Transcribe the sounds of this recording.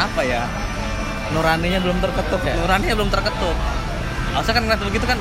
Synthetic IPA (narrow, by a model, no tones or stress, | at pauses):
apaja | noɾaniɲabəlʊmt̪ərkət̪ʊkjanuɾaniɲabəlʊmt̪ərkət̪ʊk̚ | asakankəɾat̪bəɡit̪ukan